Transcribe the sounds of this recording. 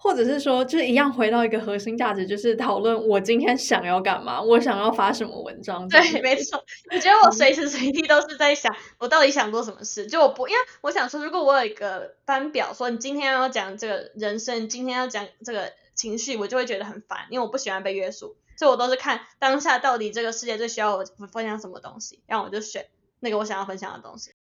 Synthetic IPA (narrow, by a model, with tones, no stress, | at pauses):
xwɔ˥˩ʈ͡ʂɤ˨˩ʂɻ̩˥˩ʂwɔ˥t͡ɕjʊʂɻ̩˥˩i˧˥jɑ˥˩ŋxwe˧˥t̪ɑ˥˩ʊi˧˥ɡə˧xɤ˧˥ɕi˥ŋt͡ɕja˥˩ʈ͡ʂɻ̩˧˥t͡ɕjo˥˧ʊʂɻ̩˥˩t̪ʰɑ˨˩ʊlwə˥˩nwɔ˨˩t͡ɕi˥nt̪ʰjɛ˥nɕjɑ˨˩ŋjɑ˥˩ʊka˨˩nma̰˩wɔ˧˥ɕ̬jɑ˨˩ŋjɑ˥˩ʊfa˧˥ʂə˧˦nmə̰˧wə̰˧˦nʈ͡ʂɑ˦˥ŋt̪we˥˩ɪme˧˥ɪt͡sʰwɔ˥wɔ˨˩t͡ɕɛ˧˥d̪ə˧˥wɔ˨˩swe˧˥ɪʂʰɻ̩˧˥se˧˥ɪt̪i˥˩t̪o˥ʊʂɻ̩˥˧t͡sa˥˩ɪɕjɑ˨˩˦ŋwɔ˨˩t̪ɑ˥˩ʊt̪i˧˥ɕɑ˨˩ŋt͡swɔ˥˩ʂ̬ə˧˥nmə̰˧ʂɻ̩˥˩t͡ɕjo˥˧˩wɔ˨˩pu˧˥i˥nwe˥˩ɪwɔ˧˥ɕjɑ˨˩ŋʂwɔ˥ɻu˧˥kwɔ˨˩wɔ˧˥jo˨˩ʊi˧˥ɡə˧pa˥npjɑ˨˩ʊʂwɔ˥ni˨˩t͡ɕi˥nt̪ʰjɛ˥n˥˧˩jɑ˥˩t͡ɕjɑ˨˩ŋʈ͡ʂɤ˥˩ɡə˩ɻə˧˥nʂə˥ŋ˨˩t͡ɕi˥nt̪ʰjɛ˥njʊt͡ɕjɑ˨˩ŋʈ͡ʂɤ˥˩ɡə˩ | t͡ɕʰi˧˥ŋɕy˥˩wɔ˨˩jo˥˧ʊwe˥˩t͡ɕɥɛ˧˥d̪ə˧xə˨˩nfa̰˧˥˦nʔi˥we˥˩wɔ˨˩pu˥˩ɕi˨˩xwa˧˦npe˥˧ɪɥɛ˥su˥˩swɔ˧˥i˨wɔ˨t̪o˥ʊʂɻ̩˥˩kʰa˥˩nt̪ɑ˥ŋɕja˥˧t̪ɑ˥˩ʊt̪i˨˩ʈ͡ʂɤ˥˩ɡə˩ʂɻ̩˥˧t͡ɕjɛ˥˧t̪wɕy˥jɑ˥˩ʊ˨˩˧fə˥nɕjɑ˧˥ŋʂə˧˥mə̰˧t̪ʊ̰˥ŋɕi˨˩ɻa˥˩ŋwɔ˨˩t͡ɕjo˥˩ʊ˩ɕɥɛ̰˨˩n | na˥˩ɡə˩wɔ˥ɕɑ˨˩ŋjɑ˥˩ʊfə˥nɕjɑ̰˨˩ŋd̪ə̰˩t̪ʊ̰˥ŋɕi̥˨˩